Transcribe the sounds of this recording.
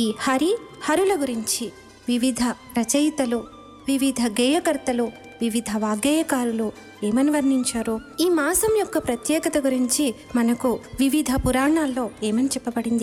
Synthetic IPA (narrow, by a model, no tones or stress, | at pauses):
iːhɐɾihɐɾulɐɡuɾiɲt͡ʃi | ʋiʋid̪ʱɐpɾɐt͡ʃɐjt̪ɐlu | ʋiʋid̪ʱɐɡɛːjɐkɐɾt̪ɐlu | ʋiʋid̪ʱɐʋaːɡɛːjɐkaːɾulu | eːmɐniʋɐɾniɲt͡ʃaːɾu | iːmaːsɐmjɔkːɐpɾɐt̪jɛːkɐt̪ɐɡuɾiɲt͡ʃi | mɐnɐkuʋiʋid̪ʱɐpuɾaːɳaːlːo̞ːeːmɐnit͡ʃɛpːɐbɐɽind̪i